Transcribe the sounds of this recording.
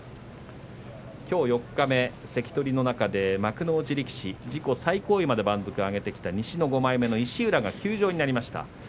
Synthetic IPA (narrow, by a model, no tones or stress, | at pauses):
kʲo̞ːjo̞kːame̞se̞kʲi̥t̪o̞ɾʲino̞nakad̪e̞makɯ̟no̞ːɯt͡ɕiɾʲikʲi̥ɕid͡ʑiko̞saiko̞ːimad̪e̞bãnzo̞kɯ̟aɡe̞t̪e̞kʲi̥t̪aɲ̟iɕino̞ɡo̞maime̞no̞iɕiɯ̟ɾaɡakʲɨːʑo̞ːɲinaɾʲimaɕi̥t̪a̰